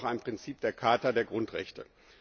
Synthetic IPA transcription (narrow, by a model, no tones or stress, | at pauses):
χaɪnpʁ̥ɪnt͡siːp̚d̥eːɐkʰaɐtadeːɐɡʁʊntʁɛ̰çtə̰